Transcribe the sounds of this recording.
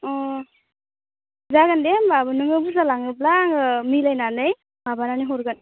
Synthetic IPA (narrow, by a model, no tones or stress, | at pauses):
ɔ | zaɡandembabɯnɯŋɯbuzalaŋɯplaŋɯmilajnanɯj | babananiɦɔɾɡan